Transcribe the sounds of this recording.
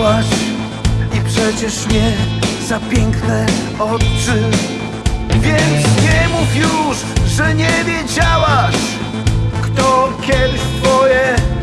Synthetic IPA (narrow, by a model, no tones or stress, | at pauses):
aʂ | ipʂɛt͡ɕɛʂmʲjɛzapʲjɛŋknɛ | ɔt͡ʂɘ | vʲjɛsɲɛmufjuʂ | ʐɛɲɛvʲjɛd͡ʑawaʂ | kt̪ɔkʲʰɛd̪ɪɕt̪fɔjɛ